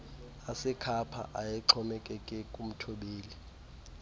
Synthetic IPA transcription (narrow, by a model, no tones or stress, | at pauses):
asɛkʰapʰa̰ʔajɛǁʰɔmɛkʼɛkʼɛkʼum̩tʰoɓeːli